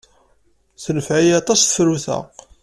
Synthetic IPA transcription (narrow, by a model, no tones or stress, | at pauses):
θnəfʕijɑt̪ˤɑsθə̥fɾuθə̰q